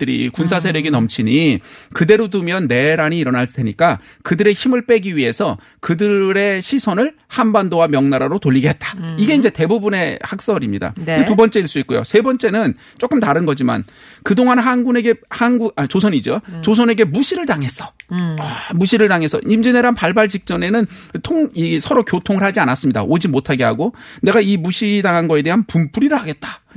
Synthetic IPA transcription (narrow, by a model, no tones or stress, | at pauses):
t͈ɯɾḭkuns̬ʰas̬ʰe̞ɾeɡinʌmt͡ɕʰiɲikɯde̞ɾotumjʌnːe̞ɾaɲiːɾʌnaɭdʰe̞ɲik͈a | kɯdɯɾe̞çimɯɭp͈e̞ɡiɥie̞sʰʌ | kɯdɯɾe̞ɕʰisʰʌnɯɭ | hanbandowamjʌŋnaɾaɾotoʎːiɡeɦet̚t͈ḁiɡe̞ind͡ʑe̞te̞bubune̞hak̚s͈ʌɾimɲida̰etubʌnt͡ɕ͈e̞iɭs͈uit͈̚ojo̰sʰe̞bʌnt͡ɕ͈e̞nɯn | t͡ɕ͈ok͈ɯmtaɾɯnɡʌd͡ʑima̰n | kɯdoŋanɦanɡune̞ɡe̞hanɡuat͡ɕosʰʌɲid͡ʑot͡ɕosʰʌne̞ɡe̞muɕʰiɾɯɭtaŋe̞s͈ʌ̥ | muɕʰiɾɯɭtaŋe̞s͈ʰʌ̰imd͡ʑineɾanpaɭbaɭt͡ɕik̚t͡ɕ͈ʌne̞nɯn | tʰoŋisʰʌɾokjotʰoŋɯɭhad͡ʑianas͈ɯmɲida̰ʔod͡ʑimotʰaɡe̞ɦa̰ɡone̞ɡaimuɕʰidaŋɦanɡʌe̞de̞ɦanpump͈ʰuɾiɾɯɭhaɡe̞t̚t͈ḁ